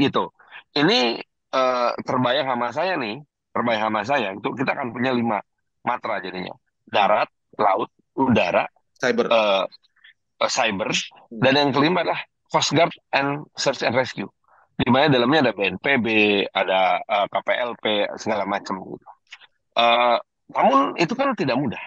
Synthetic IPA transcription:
ɡit̪u | ʔini | ət̪ərbajaŋɦamas̬ajanɪh | t̪ərbajaŋhamasajaɡit̪ukit̪aːkanpuɲalima | mat̪ɾad͡ʒadiɲa̰ | daɾat̪̚ | la̰ʊt̪̚udaɾa̰ | bəə | sajbər | danjaŋkəlimbat̪lah | kɔsɡard̪̚ɛnsərsɛnrɛskju | ɡimanadalamɲaːdabeɛnpebeadaəkapeʔɛlpesəɡalamat͡ʃəmɡḭt̪u̥ | ʔə | namʊnit̪ukant̪idak̚mudah

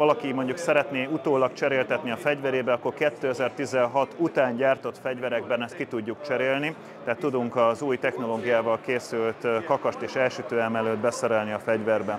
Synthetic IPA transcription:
vɒlɒkimo̞ɲɟuksɛɾɛt̪neːut̪oːlɒkt͡ʃɛɾeːlt̪ɛt̪niɒfɛɟvɛɾeːbɛɒkːo̞rkɛt̪ːøːɛzɛrt̪izɛnɦɒt̪ut̪aːɲɟaːrt̪o̞t̪fɛɟvɛɾɛɡ̚bɛnɛst̪̚kit̪uɟːukt͡ʃɛɾeːlni | t̪ɛɦat̪ːud̪uŋkɒzuːjt̪ɛxno̞loːɡijaːvɒlkeːsylt̪kɒkɒʃt̪eːʃɛlʃyt̪øːjɛmɛløːd̪bɛsɛɾɛlniɒfɛɟvɛrbɛ

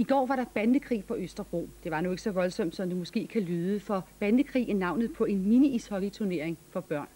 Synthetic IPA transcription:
iɡ̥ɒ̰ːʋɑ̈ɾɑ̈b̥ænd̥əkʰʁḭːpʰɒ̽øsd̥ɐʁo̝̰d̥e̝ʋɑ̈nue̝ɡ̥əsɒ̽ʋɒ̽lsɒ̽m̰d̥sɒ̽md̥emɔ̽sɡ̥e̝̰ːkʰælyːðˠəfɒ̽b̥ænd̥əkʰʁḭːnɑ̈ʊnð̩ˠpʰɒ̽e̝nminiishɒ̽ɡ̥it͡sʰuɐne̝ɐ̰e̝ŋfɒ̽b̥ɶɐ̰n

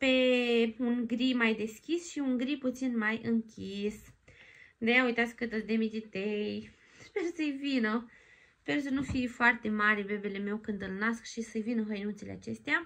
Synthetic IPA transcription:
pe̞uŋɡɾimajd̪e̞skʲisʃiuŋɡɾiput̪sinmajɨŋkʲʰis | d̪ejaujt̪at̪skkɨt̪əd̪emid̪ʲit̪ej | spersəjvinə | spersənufifoart̪e̞maɾʲebebeleme̞wkɨnd̪ɨlnaskʃisəjvinəɦəjnut̪silḛa̰t͡ʃe̞st̪ea

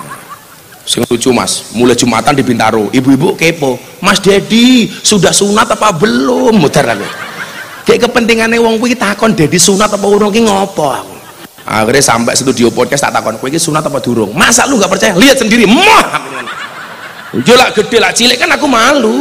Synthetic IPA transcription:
sɪŋlut͡ʃuma̰smulɛhd͡ʒ̥ṳma̰t̪and̪i̤bint̪a̰ɾoʔibuibukepo | masd̪̥edisudahsunat̪ɔpabəlomːod̪̥arla̰lṵ | ɡeʔkəpənt̪iŋanewɔŋkuit̪akɔnd̥e̤d̥isunat̪ɔpɔuɾʊŋkɪŋɔpɔa̰ku | a̰kɾesa̰mpɛ̰ʔsit̪udiopɔd̚kast̪a̰ʔt̪akɔnkuikisunat̪ɔpad̪̥ṳɾʊŋmasa̰ʔluŋɡaʔpərt͡ʃajaliət̪̚səndiɾimɔhamian | jolaʔɡ̥əɖ̥e̤laʔt͡ʃilɪʔkənakumalu

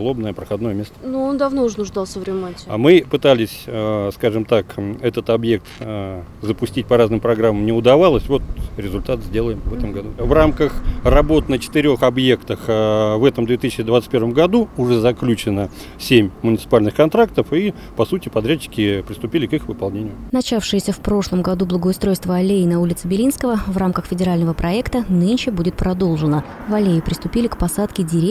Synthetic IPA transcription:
lˠo̞bnəjəpɾəxɐd̪no̞jəmʲe̞st̪ənuond̪ɐvnoʊʐnʊʐd̪ɑlˠsʲəvɾʲɪmatʲɪmɨpɨt̪alʲɪsʲskaʐɨmt̪akɛt̪ət̪ɐbje̞k̚t̪ | zəpʊsʲtʲit̚ʲpɐɾaznɨmpɾɐɡɾamːəmnʲɪʊd̪ɐvalˠəsʲvo̞t̪ɾʲɪzʊlʲt̪at̪zʲdʲe̞lˠəjɪmvɛt̪əmɡɐd̪uvramkəxrɐbo̞t̪nət͡ɕɪ̥t̪ɪɾʲo̞xɐbje̞kt̪əxvɛt̪əmd̪vʲet̪ɨsʲɪt͡ɕːɪd̪vat̪stʲpʲervəmɡɐd̪uʊʐɛzɐklʲut͡ɕɪnə | sʲemʲmʊnʲɪt̪sɨ̥palʲnɨxkɐnt̪ɾak̚t̪əfi | pɐsutʲɪpɐd̪ɾʲæt͡ɕːɪ̥kʲɪpɾɪst̪ʊpʲilʲɪkɨxvɨpɐlˠnʲenʲɪjʊnɐt͡ɕafʂɨjɪsʲəfpɾo̞ʂlˠəmɡɐd̪ublˠəɡəʊst̪ɾo̞jst̪vəɐlʲeɪnɐulʲɪt̪sɨbʲɪlʲinskəvəvramkəxfʲɪdʲɪɾalʲnəvəpɾɐɛkt̪ənɨnʲɕɪbudʲɪt̪̚pɾɐd̪o̞lˠʐɨnə | vɐlʲeɪpɾʲɪst̪ʊpʲilʲɪkpɐsat̪kʲɪdʲɪɾʲe

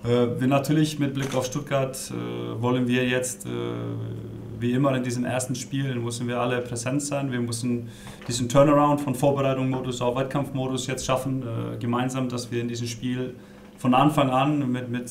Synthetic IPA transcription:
ʔɛːvinatʰyːɐlɪçmɪt̚b̥lɪkaʊfʃtʊt̚ɡ̥aɐt | ɛ̰vɔlənviːɐjɛt͡stɛ̰ː | viːɪmɐɪndiːzəmʔḛːɐstn̩ʃpiːlnmʏsn̩viːɐʔaləpʁ̥ɛzɛntz̥aɪnviːɐmʏsn̩ | d̥iːzən̩tʰœɐnəʁaʊntfɔnfoːɐbəʁaɪtʊŋmoːdʊsaʊfv̥ɛtkʰamftmoːɾʊsjɛt͡stʃafn̩ɛ̰ɡəmaɪnzaːmdasv̥iːɐɪndiːzəmʃpiːl | fɔnʔanfaŋanmɪtmɪt

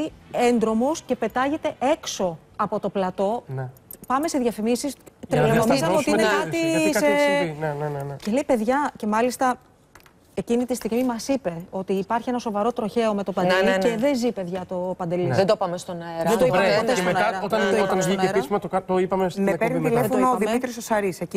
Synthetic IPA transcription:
ie̞nd̪ɾo̞mosce̞pe̞t̪ɐʝe̞t̪e̞ʔe̞kso̞ | ɐpo̞t̪o̞plɐt̪o̞n | pɐme̞se̞ðʝɐfimisist̪ɾelemot̪iszɐeot̪inekɐt̪iɐseinenenence̞le̞ipe̞ðʝɐce̞mɐlist̪ɐ | e̞cinit̪ist̪iɣmimɐsipe̞o̞t̪iːpɐɾçie̞nɐso̞vɐɾo̞t̪ɾo̞çe̞o̞me̞t̪o̞pɐnd̪elieðe̞zipe̞ðʝɐt̪o̞pɐnd̪e̞liðed̪opɐmest̪onɐeɾðɐed̪oiɐmot̪eemeonɐɾɐot̪ɐot̪ɐnzʝieɾismɐt̪okɐt̪oipɐmesepeɾnit̪ilefonoðimmit̪ɾisosɐɾiseci

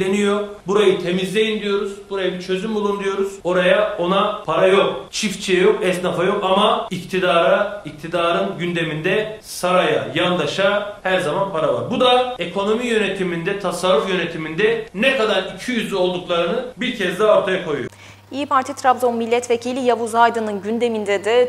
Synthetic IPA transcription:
enijo̞buɾajɯt̪ʰe̞mizlʲe̞jind̪ijo̞ɾuz̥buɾajabiɾt͡ʃʰø̞zymbulˠund̪ijo̞ɾuz̥o̞ɾajao̞napʰaɾajo̞k̚t͡ʃʰift͡ʃʰijɛjo̞kɛst̪nafajo̞kamaict̪ʰid̪aːɾaic̚t̪ʰid̪aːɾɯnɟynd̪e̞mind̪ɛ | saɾaja̰jand̪ˠaʃahæɾzamanpʰaɾava̰ɾbud̪aekʰo̞no̞mijø̞net̪ʰimind̪ɛt̪ʰasaɾːufjø̞ne̞t̪ʰimind̪ɛnɛkʰad̪aɾicʰyjyzlʲyo̞lˠd̪uklˠaɾɯnɯbiɾcʰɛzd̪ɛaoɾt̪ʰajakʰo̞jṵjo | iːpʰaɾt̪ʰit̪ʰɾabzonmilʲːɛt̪vecʰilʲijabuzajd̪ɯnɯnɟynd̪emind̪ɛd̪ɪ

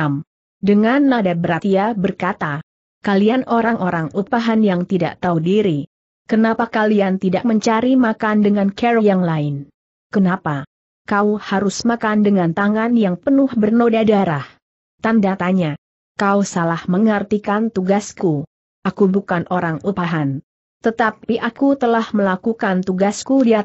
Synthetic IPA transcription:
m | dəŋanːadabəɾat̪iabərkat̪a | kalianʔoɾaŋʔoɾaŋupaɦanjaŋt̪ida̰ʔt̪audiɾi | kənapakaliant̪idaʔ̚məɲt͡ʃaɾimakandəŋankɛɾojaŋlaɪn | kənapa | kauhaɾʊsmakandəŋant̪aŋanjaŋpənʊhbərnodadaɾah | t̪andat̪aɲa | kausalahməŋərt̪ikant̪uɡasku | ʔakubukanʔoɾaŋupaɦan | t̪ət̪apiʔakut̪əlahməlakukant̪uɡaskudiat̪

